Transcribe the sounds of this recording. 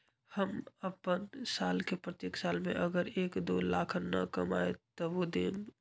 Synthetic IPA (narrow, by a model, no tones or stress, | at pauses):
həməpənsaːlkepɾət̪jeːksaːlmḛ̃ʔɐɡəɾeːkd̪oːlaːkʰənːɐ̰kɐma̰ːḛt̪oʋod̪eːm